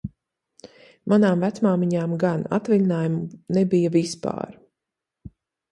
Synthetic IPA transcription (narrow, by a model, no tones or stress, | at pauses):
manaːmvæt̪smaːmiɲaːmɡana̰t̪vilʲinaːjumunɛbijɐvispa̰ːɾ